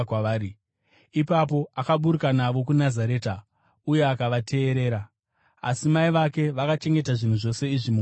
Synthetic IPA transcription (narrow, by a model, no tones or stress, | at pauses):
kwaːɾi | ipapo̞ʔakaɓuɾukanaʋo̞k̬unazaɾe̞ːta | uje̞akaʋatʰe̞ːɾe̞ːɾa | a̰simaiʋake̞ʋakat͡ʃe̞ŋɡe̞taʐin̤uʐo̞se̞iʐimu